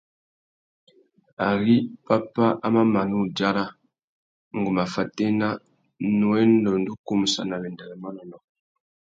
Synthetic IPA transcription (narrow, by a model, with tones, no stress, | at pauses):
a˨ɣi˦pa˦pa˦ʔa˦ma˦ma˨nu˦˨d͡ʒa˦ɾa˦ | ŋ˨ɡu˨ma˨fa˨tɛ˦na˦ | nu˨ɛ˦ndɔ˨n˦du˦ku˦mu˨sa̰˨na˨βɛ˨ndɛ˨lɛ˨mɔ˦nɔ˨nɔ˨